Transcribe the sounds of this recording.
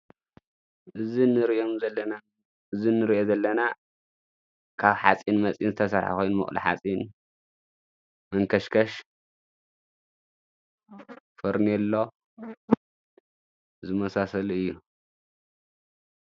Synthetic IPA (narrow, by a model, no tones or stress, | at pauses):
ʔɨzinɨɾiʔomzɐɐna | ɨzinɨɾiʔozɐlːɐna | kʰaβħa̰t͡sʼinmɐt͡sʼjinzɨt̪ʰɐsɐɾħa̰ko̞jnmɨχʼlḭħa̰t͡sʼin | mɐŋkʰɐʃkʰɐʃ | fɨɾnelːo̞ | zɨmɐsasɐlɨjːu